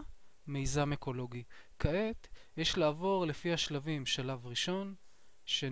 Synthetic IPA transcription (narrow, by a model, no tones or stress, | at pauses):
mejzameko̞lo̞ɡikaʔet̪jeʃlaːvo̞ʁle̞fihaʃlavimʃalavʁiʃo̞n | ʃe